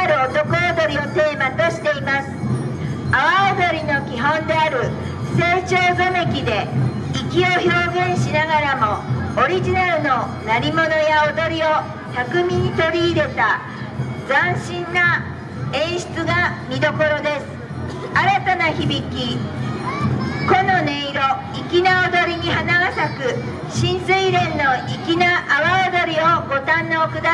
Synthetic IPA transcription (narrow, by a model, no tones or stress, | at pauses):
ɾɯ̟ot̪o̞konod̪o̞ɾʲiot̪e̞ːmat̪o̞ɕi̥t̪e̞imasɨ̥ | aβaod̪o̞ɾʲino̞kʲiɦõ̞nd̪e̞aɾɯ̟ | se̞ːt͡ɕo̞ːzome̞kʲid̪e̞ | ikʲio̞ço̞ːɡẽ̞ɰ̃ɕinaɡaɾamo̞oɾʲiʑinaɾɯ̟no̞ | naɾʲimo̞no̞jaod̪o̞ɾʲio̞ | t̪akɯ̟mʲiɲ̟it̪o̞ɾʲiːɾe̞t̪a | d͡zãɰ̃ɕĩnːa | ẽ̞ɰ̃ɕi̥t͡sɨɡamʲid̪o̞ko̞ɾo̞d̪e̞sɨ̥ | aɾat̪anaçibʲikʲi | ko̞no̞ne̞iɾo̞ | ikʲinaod̪o̞ɾʲiɲ̟ihanaɡasakɯ̟ | ɕĩnsɨiɾẽ̞nːo̞ʔikʲinaʔːβaod̪o̞ɾʲio̞ɡo̞t̪ãnːaokɯ̟d̪a